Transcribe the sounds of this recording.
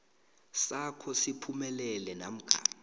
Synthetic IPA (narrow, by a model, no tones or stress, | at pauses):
sakʰɔsipʰumɛlɛlɛna̰m̩ɡ̥ʱa̰ː